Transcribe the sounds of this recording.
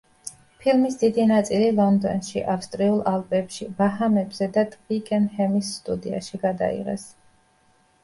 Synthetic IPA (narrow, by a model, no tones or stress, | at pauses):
pʰilmisd̪̥id̪inat̪sʼililˠɔnd̪ɔ̰nʃḭʔafst̪ʼɾiulˠalˠpʼɛpʃibaɦamɛbz̥ɛd̪at̪ʼqʼikʼɛnhɛmisːt̪ʼṵd̪ia̰ʃiɡad̪a̰ḭʁɛ̰s